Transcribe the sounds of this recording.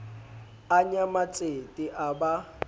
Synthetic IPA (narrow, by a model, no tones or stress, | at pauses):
aɲamat͡sʼetʼiʔaba